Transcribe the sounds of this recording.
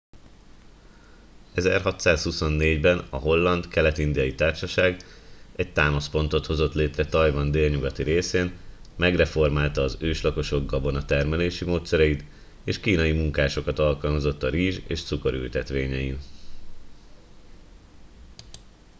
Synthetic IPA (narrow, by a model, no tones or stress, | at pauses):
ɛzɛ̰rɦɒt̪saːshuso̞nːeːɟbɛnɒɦo̞lːɒnd̪kɛlɛt̪ind̪ijɒjit̪aːrʃɒʃaːɡɛc̚t̪aːmɒspo̞nt̪o̞t̪ho̞zo̞t̪leːt̪rɛt̪ɒjvɒnd̪eːlɲuɡɒt̪iɾeːseːnmɛɡrɛfo̞rmaːlt̪ɒːzøːʃlɒko̞ʃo̞ɡːɒbo̞nɒt̪ɛrmɛleːʃimoːt̪sɛɾɛjit̪ | eːʃkiːnɒjimuŋkaːʃo̞kɒt̪ɒlkɒlmɒzo̞t̪ːɒɾiːʒḛːʃt̪suko̞ɾy̰lt̪ɛt̪ʋeːɲɛjin